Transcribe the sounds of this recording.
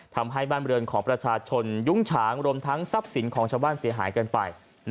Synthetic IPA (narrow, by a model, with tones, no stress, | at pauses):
t̪ʰa˧mɦa˥˩jbaː˥˩nɾɯ˧ənkʰɔː˩˦ŋpɾa˧t͡ɕʰaː˧t͡ɕʰo˧nju˦˥˩ŋt͡ɕʰaː˩˦ŋɾu˧əmt̪ʰa˦˥ŋsa˦˥p̚si˨˩˦nkʰɔː˩˦ŋt͡ɕʰaː˧wbaː˥˩nsi˩˦ɐɦa̰ː˩˦jkɤː˧npa̰˧j | n